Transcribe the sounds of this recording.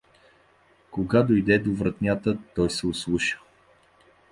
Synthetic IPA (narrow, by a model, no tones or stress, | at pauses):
koɡad̪ojd̪ɛd̪ovɾɐt̪nʲat̪ət̪ɔjsɛʊslˠuʃə̥